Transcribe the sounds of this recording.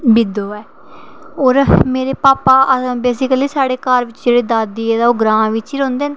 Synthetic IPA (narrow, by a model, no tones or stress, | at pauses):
bɪd̪oːɛː | oːɾmeːɾeːpaːpaːə̃beːsɪkəliːsaːɽeːkəɾʋɪt͡ʃd͡ʒeːɽeːd̪aːd̪iːɛːd̪aːʊɡɾãːʋɪt͡ʃiːɾõːnd̪eːn